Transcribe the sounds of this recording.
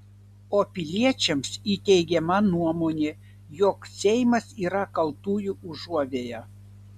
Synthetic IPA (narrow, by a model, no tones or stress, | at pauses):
oːpʲɪlʲiɛt͡ʃʲɛmsit̪ʲɛɪɡʲɛmɐnuɔmoːnʲe | joːksʲɛjmɐsiːɾɐkɐlˠt̪uːjuuʒuɔʋʲeːjɛ